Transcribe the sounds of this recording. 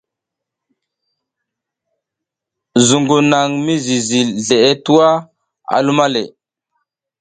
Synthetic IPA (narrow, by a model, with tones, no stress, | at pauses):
zu˨ŋɡu˨na˨ŋmi˦zi˨zi˨lɮe˨e˦tu˦wa˦ | a̰˨lu˦ma˦le˨